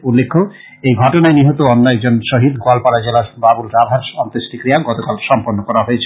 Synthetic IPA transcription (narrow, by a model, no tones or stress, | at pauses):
ulːekʰːo | ejɡʱɔʈonaeniɦot̪oɔnːaeɛɡd͡ʑonʃoɦid̪ɡoalpaɾad͡ʑelababulɾabʱaɾʃɔnt̪esʈikɾiaɡɔt̪okalʃɔmponːokɔɾaɦojet͡ɕʰe